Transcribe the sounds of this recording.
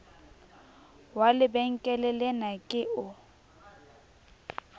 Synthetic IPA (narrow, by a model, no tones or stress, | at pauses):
walɪbɛŋ̩kʼɛlɛlɛnakʼɪʊ